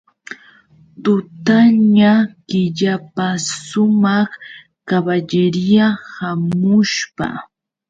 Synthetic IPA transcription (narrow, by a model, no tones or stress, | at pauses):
t̪ʊt̪aɲakɪʎapasʊmɑχ | kabaʎɪɾjahamʊʃpa̰